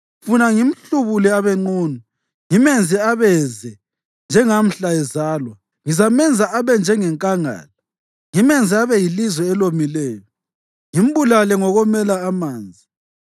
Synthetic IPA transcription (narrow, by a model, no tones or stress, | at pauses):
funaŋim̩ɬuβulɛaβɛŋ͡ǃuːnu | ŋimɛnd͡zʱɛaβɛzɛ | nd͡ʒʱɛŋam̩ɬaɛzaːlwa | ŋizamɛnd͡zʱaʔaβɛnd͡ʒʱɛŋɛŋkʼaŋa̰ːla | ŋimɛnd͡zʱɛaβɛjilizwɛɛlomilɛːjɔ | ŋim̩βulalɛŋɔɣɔmɛlaːmaːnd͡zʱi